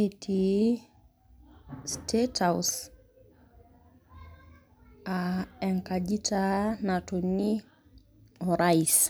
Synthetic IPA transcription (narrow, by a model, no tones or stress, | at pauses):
etʰi | stʰetʰaw̰s | aɛŋkad͡ʒitanatoni | ɔɾais